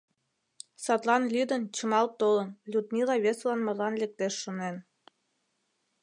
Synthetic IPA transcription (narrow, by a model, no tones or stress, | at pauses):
sɑt̪lɑnlʲyd̪ə̆nt͡ɕɤ̆mɑlt̪olə̆nlʲud̪mʲilˠɑβesβlˠɑnmɑ̆lɑnlʲek̚t̪eʃːonen